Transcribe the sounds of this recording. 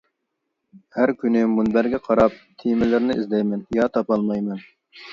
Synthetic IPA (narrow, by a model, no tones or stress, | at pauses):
hæɾkʲynɪmunbæɾɡʲɛqʰɑɾɑp̚t̪ʰimɪlɪɾnɪizd̪ɛjmɛnjɑt̪ʰɑpɑlˠmɑjmɛn